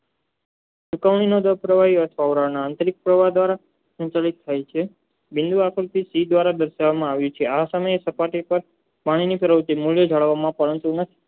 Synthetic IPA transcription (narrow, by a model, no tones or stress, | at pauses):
t͡ʃukəʋɳinod̪əpɾəʋaɦiət̪ʰʋaʋɾanãːnt̪əɾik̚pɾəʋad̪ʋaɾa | sə̃nt͡ʃalit̪ʰːajt͡ʃʰe | bɪ̃nd̪uakʰɾut̪isid̪ʋaɾad̪əɾʃaʋamãaʋjũt͡ʃʰeasəməjesəpaʈipəɾ | paɽ̃inipʰəɾəʋt̪imuljod͡ʒʱaɭʋamãpəɾənt̪unət̪ʰi̥